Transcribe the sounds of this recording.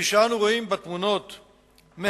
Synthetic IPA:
iʃanuʁo̞imbat̪muno̞t̪ | me

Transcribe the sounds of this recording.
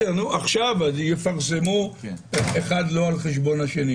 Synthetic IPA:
anuʔaχʃavajefaʁsemu | exad̪loalχeʃ̬bonaʃeni

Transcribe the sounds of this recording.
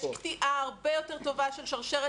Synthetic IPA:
ktiʔaaʁbejo̞te̞ʁto̞vaʃelʃaʁʃeʁe

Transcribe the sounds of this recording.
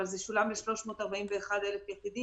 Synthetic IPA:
alzeʃulamleʃlo̞ʃmo̞ːt̪aʁbaimveːχad̪elefjaχid̪i

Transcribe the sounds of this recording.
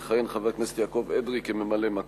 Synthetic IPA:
χajenχavaknese̥t̪jakoved̪ʁikememalema

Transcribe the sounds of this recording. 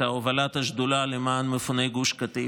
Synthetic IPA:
aovalat̪haʒd̪ulalemaːnmefunejɡuʃkat̪i

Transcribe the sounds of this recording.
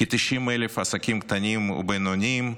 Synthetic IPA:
kit̪iʃimelefasakʲimkt̪anʲimṵbenonʲim

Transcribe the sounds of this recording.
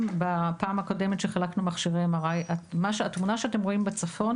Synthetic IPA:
mbapaːmhako̞de̞met̪ʃeχalaknumaχʃiʁemaʁajamaʃatmunaʃeate̞mʁo̞imbet͡safo̞n

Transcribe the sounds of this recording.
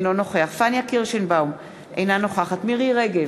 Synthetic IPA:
nono̞χeaχfanjakiʁʃenbaum | ḛjnano̞χaχat̪miʁiʁeɡe

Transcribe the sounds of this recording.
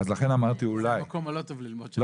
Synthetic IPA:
azlaχenamaʁt̪iulajkomalot̪ovlilmodl

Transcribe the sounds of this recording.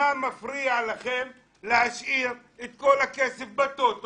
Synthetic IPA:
amafɾiːaʕalaxeːl | lɪaʃʔiːɾ | ɪt̪̚kolakeːsɪfbat̪ːoːt̪

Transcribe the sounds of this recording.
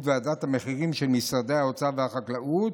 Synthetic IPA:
tvead̪at̪hameχiʁimʃelmisʁad̪ejao̞t͡savehaχaklaʔut̪

